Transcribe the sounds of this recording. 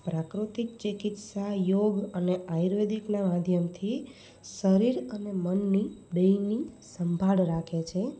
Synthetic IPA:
pɾakɾut̪ik̚t͡ʃekɪt̪sajoɡəneajɾʋed̪iknamad̪ʱjəmt̪ʰi | səɾiɾənemənːibəinisəmbʱaɭɾakʰet͡ʃʰe

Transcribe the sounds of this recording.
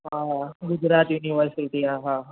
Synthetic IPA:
ɦaɡʊd͡ʒɾaːt̪juniʋəɾsiʈiaːɦaa

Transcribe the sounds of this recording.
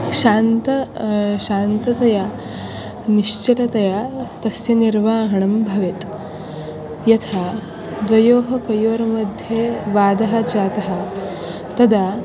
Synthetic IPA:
ʃaːnt̪ɐʃaːnt̪ɐt̪ɐja | niʃt͡ʃɐʈɐt̪ɐjat̪ɐsjɐniɾʋaːɦɐɳɐmbʱɐʋet̪ | jɐt̪ʰaː | d̪ʋɐjoːɦɐkɐjoːɾɐmɐd̪ʱjeʋaːd̪ɐɦɐt͡ʃaːt̪ɐɦɐ̆ | t̪ɐd̪a

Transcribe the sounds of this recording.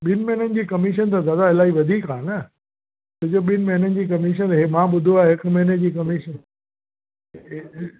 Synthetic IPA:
ɓɪnmɐɦɪnənɪ̆d͡ʑiːkɐmiʃ̬ənt̪azjaːd̪aɪlaːiʋɐd̪ʱiːkaːnɐ | t̪ɐd͡ʑoɓɪnmɐ̃ɦɪnənɪ̆d͡ʑiːk̬ɐmiʃ̬ənɦɪmãːɓʊd̪ʱoaːɦɪkmɐ̃ɦɪned͡ʑiːkɐmiʃən

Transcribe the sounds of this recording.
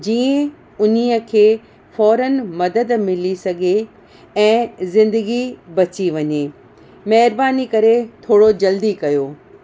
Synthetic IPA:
d͡ʑiːə̃ | ʊn̤iəkʰeː | fɔːɾənmɐd̪əd̪mɪlisɐɡʱe | ɛ̃ːzɪ̃nd̪əɡibɐt͡ɕiʋɐɲe | mɐɦɪɾbaːnikɐɾet̪ʰoːɽod͡ʑɐld̪ikɐjoː

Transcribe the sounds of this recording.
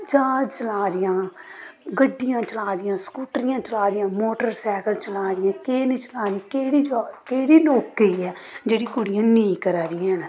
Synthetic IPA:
t͡ʃaːd͡ʒt͡ʃəlaːɾɪjãː | ɡəɖːɪjãːt͡ʃəlaːd̪ɪjãːskuːʈɾɪjãːt͡ʃəlaːd̪ɪjãːmoːʈəɾsɛːkəlt͡ʃəlaːɾɪjãːkeːnĩːt͡ʃəlaːd̪ikeːɽiːkeːɽiːloːkiːɛːd͡ʒeːɽiːkʊɽɪjãːnẽkəɾaːɾɪjãːn

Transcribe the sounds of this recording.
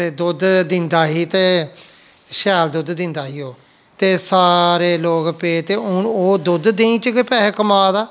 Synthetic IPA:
t̪eːd̪ʊd̪d̪ɪnd̪aːɦiːt̪eː | ʃɛːld̪ʊd̪d̪ɪ̃nd̪aːɦiːoː | t̪eːsaːɾeːloːɡpeːt̪eːʊɳoːd̪ʊd̪d̪eĩːt͡ʃkɪpɛːɦkəmaːd̪aː

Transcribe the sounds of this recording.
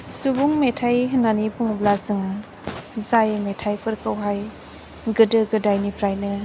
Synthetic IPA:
subuŋmetʰajɦɯnanipuŋblazɯŋa | zajmetʰajpʰɯɾkʰɯwɦaj | ɡɯdɯɡɯdajnipʰɾajnɯ

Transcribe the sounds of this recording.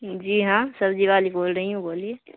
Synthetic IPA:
d͡ʒiːɦãsəbd͡ʒiʋaːliboːlɾəɦiɦũboːlie

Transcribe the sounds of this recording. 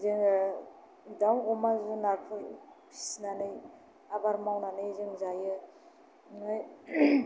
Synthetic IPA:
zeŋ | daŋɔmazunaɾpʰɯjpʰi̥sinanɯj | abaɾmawnanɯjzɯŋzajɯ | ŋaj

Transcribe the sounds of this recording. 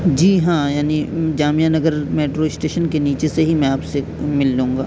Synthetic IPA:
d͡ʒiːɦãːjaːnid͡ʒaːmijanɐɡəɾmeːʈɾoɪsʈeːʃənkeniːt͡ʃeseɦimɛ̃aːpsemɪldũːŋɡa̰ː

